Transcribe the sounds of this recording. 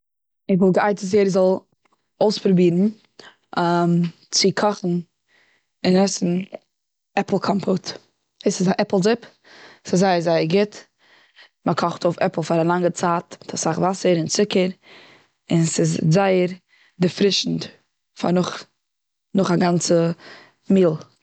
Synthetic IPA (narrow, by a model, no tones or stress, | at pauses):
ɪχvɔlˠɡəʔaɪtəs̬jɛɾzɔlˠ | oʊspɾʊbiːɾn̩ | am | t͡sɪkʰɔχn̩ | ɪnɛsn̩ | ɛpl̩ˠkʰɔmpʰʊt | eɪsɪsaʔɛpl̩ˠzɪp | sɪzːaɪəɾzaɪəɾɡɪt | məkʰɔχtoʊfɛpl̩ˠfaɾalˠaŋɡət͡saːtmɪtʰɔsaχvasəɾɪnt͡sɪkəɾ | ɪnsɪzzaɪəɾ | dɪfɾɪʃn̩t | fa̰ɾnʊχ | nʊχaɡant͡sə | miːlˠ